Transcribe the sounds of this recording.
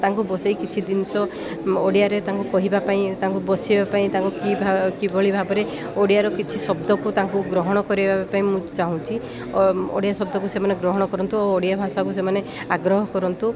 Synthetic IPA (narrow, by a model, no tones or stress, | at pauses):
t̪aŋkubɔsejkit͡ʃʰid̪insɔ | oɽijaɾet̪aŋkukɔɦibapaĩt̪aŋkubɔsibapaĩt̪aŋkukibʱakibʱɔɭibʱabɔɾe | oɽijaɾɔkit͡ʃʰisɔbd̪ʱɔkut̪aŋkuɡɾɔɦɔɽ̃ɔkɔɾibbabapaĩmũt͡ʃaɦũt͡ʃʰi | o̰ɽijasɔb̚d̪ɔkusemaneɡɾɔɦɔɽ̃ɔkɔɾɔnt̪uoːɽijabʱãsakus̬emane | aɡɾɔɦɔkɔɾɔnt̪u